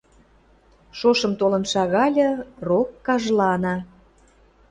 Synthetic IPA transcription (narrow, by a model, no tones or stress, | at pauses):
ʃoʃə̆mt̪olə̆nʃɑɣɑlʲɤ̆rokːɑʒlɑnɑ